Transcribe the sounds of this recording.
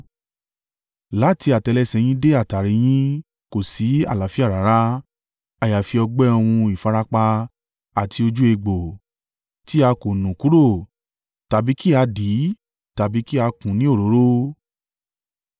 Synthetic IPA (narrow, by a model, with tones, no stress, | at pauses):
la˨˦ti˧a˨tɛ˧lɛ˧sɛ˧j̃ĩ˦de˦a˦˨ta˨ɾi˧˦j̃ĩ˦ | ko˨si˨˦a̰˦˨la˨˦fi˦a˦˨ɾa˨˦ɾa˦ | a˨ja˨fi˧ɔ˧ɡ͡bɛ˦ɔ˧w̃ũ˧i˨fa˨˧ɾa˦k͡pa˧ | a˨tʰi˧o˧d͡ʒu˦e˧ɡ͡bo˨ | ti˦a˧ko˨nũ˨ku˨˦ɾo˦˨ | ta˨bi˨˦ki˦a˧di˨˦ | ta˨bi˨˦ki˦a˧kũ˨nĩ˨˦o˦˨ɾo˨˦ɾo˦